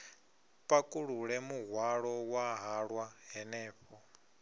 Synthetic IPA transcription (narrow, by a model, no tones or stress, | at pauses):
pʼakʼuɺuɺɛmuɦwaɺɔwaɦaɺwaɦɛnɛːɸɔ